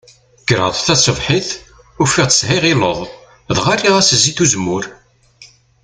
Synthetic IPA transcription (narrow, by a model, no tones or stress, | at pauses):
ɡ̥əɾə̰ðˤθæsˤəvħiθ | ʊɾfiʁt̪əshiʁiləðˤ | ðʁarːiʁæsəzːiθuzmːʊɾ